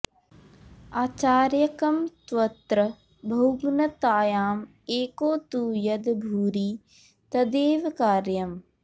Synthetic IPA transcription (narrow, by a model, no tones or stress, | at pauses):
aːt͡ʃaːɾjɐkɐmt̪ʋɐt̪ɾɐ | bʱɐwɡnɐt̪aːjaːm | eːkoːt̪uːjɐd̪bʱuːɾi | t̪ɐd̪eːʋkaːɾjɐm